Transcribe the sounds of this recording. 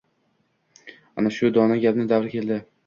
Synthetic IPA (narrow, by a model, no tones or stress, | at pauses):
anaʃʊd̪ɒnaɡʲapnɪd̪avɾkʲe̞ld̪ɪ